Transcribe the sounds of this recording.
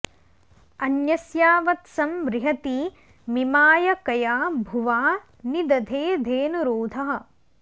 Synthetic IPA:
ɐnjɐsjaːʋɐt̪sɐmʋɾɪɦɐt̪i | mimaːjɐkɐjaːbʱuʋaː | nid̪ɐd̪ʱeːd̪ʱeːnuɾoːd̪ʱɐɦɐ̆

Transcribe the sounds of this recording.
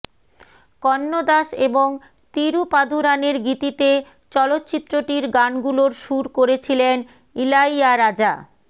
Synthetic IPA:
kɔnːod̪aʃeboŋ | t̪iɾupad̪ʱuɾaneɾɡit̪it̪e | t͡ɕɔlot̪ːt͡ɕit̪ːɾoʈiɾɡanɡuloɾʃuɾkoɾet͡ɕʰilen | ilajaɾad͡ʑa

